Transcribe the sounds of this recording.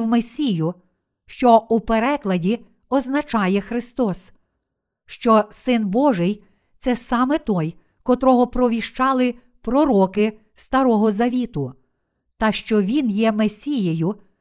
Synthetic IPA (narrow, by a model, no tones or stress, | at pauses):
wmesʲijʊ | ʃt͡ʃɔupeɾɛklˠɐdʲi | ɔznɐt͡ʃɑjɛxɾɪst̪ɔs | ʃt͡ʃɔsɪnbɔʒɪj | t̪sɛsɑmɛt̪ɔj | kɔt̪ɾɔɦɔpɾɔʋʲiʃt͡ʃɑlˠɪ | pɾɔɾɔkɪ | st̪ɐɾɔɦɔzɐʋʲit̪ʊ | t̪ɑʃt͡ʃɔʋʲinjɛmesʲijejʊ